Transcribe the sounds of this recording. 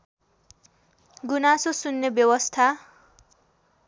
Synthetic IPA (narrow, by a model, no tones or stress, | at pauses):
ɡunasosunːebjʌwʌst̪ʰa